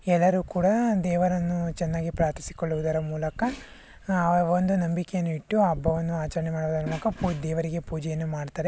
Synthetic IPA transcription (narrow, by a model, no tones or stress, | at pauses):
ɛlːɐɾukuːɽɐd̪ɛːʋɐɾɐnːut͡ʃɛnːaːɡipɾaːɾt̪ʰi̥si̥koɭːuʋud̪ɐɾɐmuːlɐkɐ | ɐʋond̪unɐmbikejɐnːuiʈːuɐbːɐʋɐnːuaːt͡ʃɐɾɐɳemaːɽuʋud̪ɐɾɐmuːlɐkɐpud̪ɛːʋɐɾiɡe̞puːd͡ʒɛjɐnːumaːɽt̪aːɾe